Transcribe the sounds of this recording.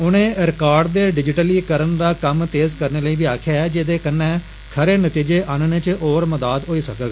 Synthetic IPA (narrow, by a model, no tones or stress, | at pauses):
ʊnẽːɾɪkaːɾɖd̪eːɖɪd͡ʒɪʈəliːkəɾənd̪aːkəmt̪eːzkəɾneːləiːbiːaːkʰjaːɛːd͡ʒed̪eːkənːɛ̃ː | kʰəɾeːnət̪iːd͡ʒeːʔaːnneːt͡ʃʔoːɾməd̪aːd̪ɦoːiːsəkəɡaː